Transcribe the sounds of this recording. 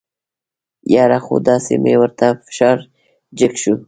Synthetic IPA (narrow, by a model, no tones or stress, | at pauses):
jɑɾaxo̰d̪ɑsḛmḛwəɾt̪afɪ̥ʃɑːɾ | d͡ʒɪkʃu